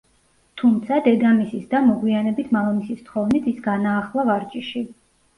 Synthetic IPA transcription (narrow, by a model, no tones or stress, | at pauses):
t̪ʰumt̪sʰad̪ɛd̪amisisd̪amɔɡwianɛbit̪ʰmalamisist̪χɔvnit̪ʰisɡanaːχlˠavaɾt͡ʃʼiʃi